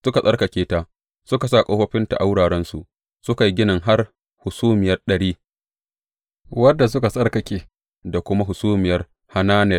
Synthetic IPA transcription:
sʊ˦ka˨sʼɐ˦rkɐ˨kʲeː˦taː˦ | sʊ˦ka˨saː˦˨kʼo˦ɸɐ˦ɸɪ˦nta̰˨ʔa˦wɽaː˨ɽɛ˦nsu˨ʔ | sʊ˦ka˨ji˦ɡʲɪ˦nɪ˨ŋɦa˦r | hʊ˨suː˦mɪ˨jɐ˦rɗɐ˨ɽiː˦ | wɐ˦dːa˨s̬ʊ˦ka˨sʼɐ˦rkɐ˨kʲeː˦ | da˨kʷʊ˦ma˦ɦʊ˨suː˦mɪ˨jɐ˦r | ha˦naː˦nɛ˨

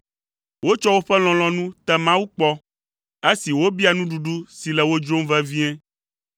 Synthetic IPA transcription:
wo˦t͡ʃɔ˦wo˦ɸɛ˦l̃ɔ̃˨l̃ɔ̃˨nũ˦t̪ɛ˦mã˦wu˦k͡pɔ˦ | e˦si˨wo˦bi˦a˨nũ˦ɖu˨ɖu˦si˨lɛ˨wo˦d͡ʒɾo˦m˦vɛ˦vi˦ɛ̃˦

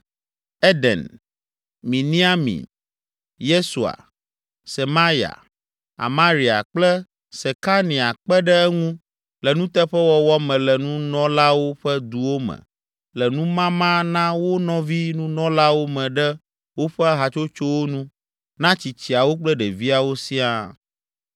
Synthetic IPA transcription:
ɛ˦d̪ɛ̰˨n | mĩ˨nĩ˦a˦mḭ˨n | je˦su˨a̰˨ | se˨mã˦ɾja̰˨ | a̰˨mã˦ɾi˨a̰˨k͡plɛ˦ | sɛ˨ka˦nĩ˨a˨k͡pɛ˦ɖɛ˦ɛ˦ŋũ˦ | lɛ˨nũ˦t̪ɛ˦ɸɛ˦wɔ˦wɔ˦mɛ̃˨lɛ˨nũ˦nɔ̃˦la˦wo˦ɸɛ˦d̪u˨wo˦mɛ̰̃˨ | lɛ˨nũ˦mã˦mã˦nã˦wo˦nɔ̃˦vi˦nũ˦nɔ̃˦la˦wo˦mɛ̃˨ɖɛ˦ | wo˦ɸɛ˦a˦ɦa˨t͡ʃo˦t͡ʃo˦wo˦nũ˦ | nã˦t͡ɕi˨t͡ɕi˨a˨wo˦k͡plɛ˦ɖɛ˨vi˦a˨wo˦si˦a˦

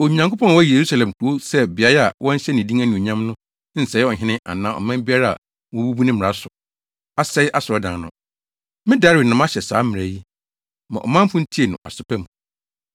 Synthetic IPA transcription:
o˨ɲã˨ŋkʰo˦pʰɔ̃˦n˨wɔ˦je˨ɾu˦sa˨lɛ̃˨mku˨o˦sɛ˦bɪ˨a˨˦ɾa˨wɔ̃˦n̩˦ɕɛ˦nɪ̃˨dĩ˦ŋæ˦nĩ˨o˨ɲã˦mnʊ̃˦ | n̩˨sɛ˨jɛ˦ɔ˨ɦɪ̃˦nɪ̃˦ʔa̰˨nãː˦ɔ̰˨mã˦m˦bi˦a˦ɾa˦a̰˨ | wɔ̃˨˦bu˦bu˦nɪ̃˦m˨a˦sʊ˨ | a˦sɛ˦jʔa˦sʊ˨ɔ˦dã˨˦nʊ̰̃˦ | mɪ̃˦da˨˦ɾɪ˨nã˨ma˦ɕɛ˨saː˨˦mɪ̃˨æ˨ji˦ | mã˨ʔɔ̰˨mã˦mfʊ̃˦n̩˦tʰi˦e˨nʊ̰̃˨ʔa̰˨sʊ˨pʰɛ˦mũ˨

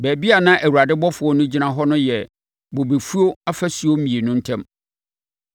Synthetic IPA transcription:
bæː˨bi˦a˨nã˦ʔæ˨wu˨ɾa˨dɪ˦bɔ˦fʊ˨˦ɔ˦nʊ̃˦d͡ʑi˦nã˦ɦɔ˦nʊ̃˦jɛ˨ | bo˨be˨fu˦o˦a˦fæ˦si˨˦o˦m̩˦mĩ˨e˨nʊ̃˦n̩˦tʰɛ̃˦m

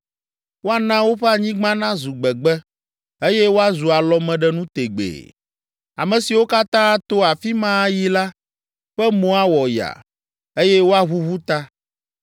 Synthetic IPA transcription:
wo˦a˨nã˦wo˦ɸɛ˦a˨ɲĩ˦ɡ͡bã˦nã˦zu˨ɡ͡bɛ˨ɡ͡bɛ˦ | e˦jɛ˦wo˦a˦zu˨a˨lɔ˨mɛ̃˨ɖɛ˦nũ˦t̪e˨ɡ͡bḛ˨ | a̰˨mɛ̃˨si˨wo˦ka˦t̪ã˦t̪o˦a˨fi˦mã˦ji˦la˦ | ɸɛ˦mõ˦a˦wɔ˨ja̰˨ | e˦jɛ˦wo˦a˦ɦu˦βu˦t̪a˦

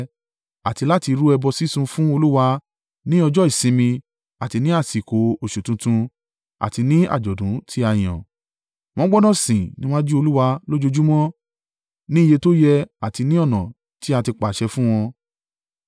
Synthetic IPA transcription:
a̰˨ti˧la˦ti˧ɾu˦ɛ˧bɔ˧si˦sũ˧fũ˦o˧lu˦wa˧ | nĩ˦ɔ˧d͡ʒɔ˦i˨sĩ˨˧˦mĩ˧ | a˨ti˧nĩ˦a˦˨si˨ko˨˦o˨ʃu˨tũ˨˧tũ˧ | a̰˨ti˧nĩ˦a̰˦˨d͡ʒɔ˨dũ˨˦tʰi˦a˧˨j̃ɔ̰̃˨ | w̃ɔ̃˦ɡ͡bɔ˦nã˦˨sĩ˨nĩ˦w̃ɔ̃˦d͡ʒi˦o˧lu˦wa˧lo˦d͡ʒo˧d͡ʒu˦mɔ̃˦ | nĩ˦˨je˧to˦jɛ˧a˨ti˧nĩ˦ɔ˦˨nɔ̃˨ | ti˦a˧ti˧k͡pa˨ʃɛ˧fũ˦w̃ɔ̃˧

